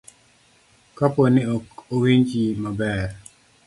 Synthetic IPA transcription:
kapɔnɪokowiɲd͡ʒimabɛɾ

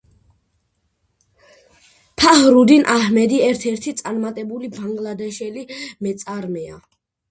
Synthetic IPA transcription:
pʰahɾud̪inʔahmɛd̪iɛɾt̪ʰɛɾt̪ʰit̪sʼaɾmat̪ʼɛbulibaŋɡlad̪ɛʃɛlimɛt̪sʼaɾmɛa

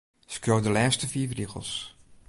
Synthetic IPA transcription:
skroːdəlɛːstəfiːfriɣə̰lˠs

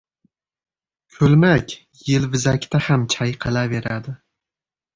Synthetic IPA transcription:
kʲʰɵlmakʲ | jɪlvɪzakʲt̪ahamt͡ʃʰajqʰɨlave̞ɾad̪ɪ

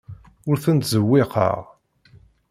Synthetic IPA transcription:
ʊɾθənt̪zəwːɪqʰə̰ʁ

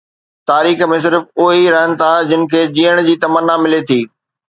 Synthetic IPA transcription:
t̪aːɾiːxmẽs̬ɪɾfʊɦiɾɐɦənɪ̆t̪ʰad͡ʑɪnɪ̆kʰeːd͡ʑiːəɽ̃d͡ʑiːt̪ɐmənːamɪlet̪ʰiː

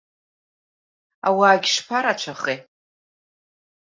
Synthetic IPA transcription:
a̰waːɡʲʂpʰaɾat͡ʃʷʰaχe

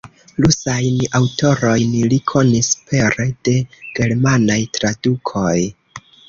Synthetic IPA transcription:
lusajnawto̞ɾo̞jnlikʰo̞nispʰe̞ɾed̥e̞ɡ̥e̞ɾmanajtɾadukʰo̞j

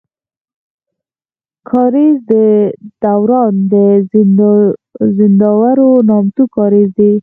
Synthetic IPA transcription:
kʰɑɾizd̪əd̪̥awɾɑnd̪ə | zɪnd̪ɑwaɾonɑmt̪ukɑɾizd̪e

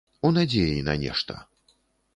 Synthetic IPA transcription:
unad͡zʲejinɐ̰nʲɛ̰ʂt̪ɐ̰

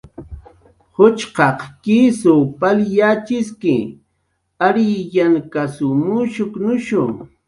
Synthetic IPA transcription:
hʊt͡ʃqɑqkisopaljat͡ʃɪskɪ̰ | aɾɪjankasʊmʊʃʊknʊʃʊ

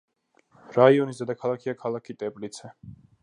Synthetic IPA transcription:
ɾaiɔnisd̪ɛd̪akʰalˠakʰiakʰalˠakʰit̪ʼɛblit̪sʰɛ

